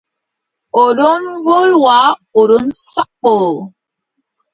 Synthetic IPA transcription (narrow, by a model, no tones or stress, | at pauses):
oɗonvolwaoɾonsak͡p̚ːo